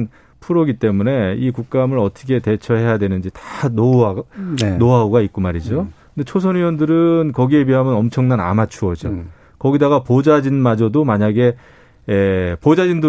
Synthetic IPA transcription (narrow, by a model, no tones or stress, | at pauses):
n | pʰuɾʌɡit͈e̞mune̞ikuk̚k͈amɯɾʌtʰʌ̥kʰe̞te̞t͡ɕʰʌɦe̞jadwenɯnd͡ʑitḁnoanoɦaoɡaik͈̚umaɾid͡ʑokɯndet͡ɕʰos̬ʰʌniwʌndɯɾɯnkʌɡiebiɦamjʌnʌmt͡ɕʰʌŋnana̰mat͡ɕʰuʌd͡ʑo | kʌɡidaɡapod͡ʑad͡ʑinmad͡ʑʌdomaɲaɡe̞ː | pod͡ʑad͡ʑindɯ